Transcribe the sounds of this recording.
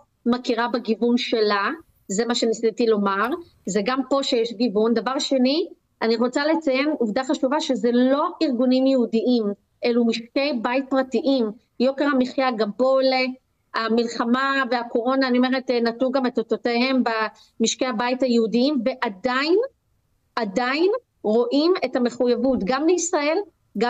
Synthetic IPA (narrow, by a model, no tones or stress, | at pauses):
makiʁabaɡivunʃe̞la | zemaʃenisitilo̞maʁ | zeɡampo̞ʃejeʃɡivund̪avaʁʃe̞ni | ʔaniʁo̞t͡salet͡sajenuvdaχaʃuvaʃezelo̞ʔiʁɡunimjehudiʔim | ʔelumiʃke̞jbait̚pʁatiʔim | jo̞keʁhamiχjaɡabo̞le | amilχamaveako̞ʁo̞naːniome̞ʁetenatnuɡametototehe̞mba | miʃkehabaithajehudiimve̞ʔadajn | adajin | ʁo̞ʔime̞thame̞χujavutɡamleisʁae̞l | ɡa